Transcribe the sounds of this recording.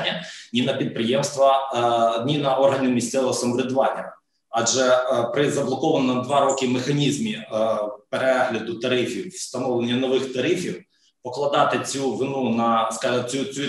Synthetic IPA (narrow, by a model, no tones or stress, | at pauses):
nʲːɐnʲinɐpʲid̪̚pɾɪjemst̪ʋɐ | nʲinɐɔrɦɐnʲɪmʲisʲt̪ɛlˠɦɔsɐmɔʋʲɪd̪ʋɑt̪ʲɪɾɐ | ɐʒɛpɾɪzɐblˠɔkɔʋɐnɔmd̪ʋɑɾɔkɪmɪxɐnʲizmʲi | peɾɛɦlʲɐd̪ʊt̪ɐɾɪfʲiwst̪ɐnɔʋlˠenʲːɐnɔʋɪxt̪ɐɾɪfʲiw | pɔklˠɐd̪ɑt̪ɪt͡sʲuʋɪnunɐskɑɐt͡sʲut͡sʲu